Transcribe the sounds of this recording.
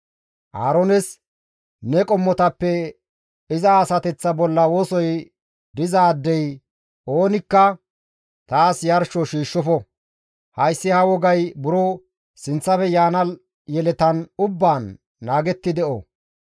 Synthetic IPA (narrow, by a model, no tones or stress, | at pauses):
ʔa̰ːɾonɛs | nɛkʼɔmːɔt̪ɐpːɛ | ɪzɐːsɐt̪ɛt͡sːɐbɔlːɐwoːsɔj | d̪ɪzaːd̪ːɛj | ʔoːnɪkːɐ | t̪aːsjɐɾʃɔʃiːʃːɔfɔ | hɐjsːɪhɐwɔɡɐjbʊɾɔ | sɪnt͡sːɐfɛjaːnɐl | jɛlɛt̪ɐnʊbːaːnː | aːɡɛt̪ːɪd̪ɛʔɔ̰